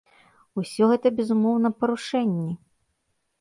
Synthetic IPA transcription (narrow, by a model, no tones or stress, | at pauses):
usʲɔɣɛt̪ɐbʲɛzumɔwn̪ɐpɐɾuʂɛnʲːɛ